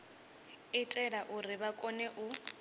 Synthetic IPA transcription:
ɪtʼɛɺaʔʊrɪbakʼɔnɛʔʊ

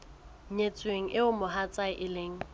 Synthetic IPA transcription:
ɲet͡sʼweŋ̩ʔɪʊmʊɦat͡sʼaɪʔɪleːŋ̩

